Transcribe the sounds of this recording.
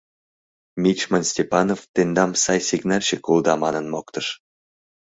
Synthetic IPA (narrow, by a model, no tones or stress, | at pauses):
mʲit͡ɕmonsʲtʲepɑnoft̪end̪ɑmsɑjsʲiɡnɑlʲɕekuld̪ɑmɑnə̆nmokt̪ɤʃ